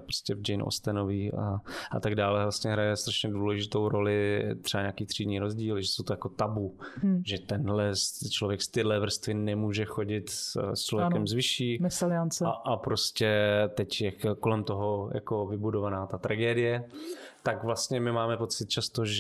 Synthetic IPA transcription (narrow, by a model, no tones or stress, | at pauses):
pɾoscɛvd͡ʒɛjnʔo̰st̪ɛnoviːʔaʔa̰t̪aɡdaːlɛvlast̪ɲɛɦɾajɛst̪ɾaʃɲɛduːlɛʒɪt̪owɾo̞lɪt̪r̥ɛbaɲaːkiːt̪r̥iːdɲiːɾozɟiːlʒɛsowt̪ojako̞t̪abuʒɛt̪ɛnɦlɛst͡ʃlovjɛkst̪ɪdlɛvr̩st̪vɪnɛmuːʒɛxo̞ɟɪt̪st͡ʃlovjɛɛɛmzvɪʃiːmɛsalɪant͡sɛʔapɾo̞scɛt̪ɛcjɛko̞lɛmt̪o̞ɦoja̰ko̞vɪbudovanaːt̪at̪ɾaɡɛːdɪjɛt̪akvlast̪ɲɛmɪmaːmɛpo̞t͡sɪt̪̚t͡ʃast̪oʒ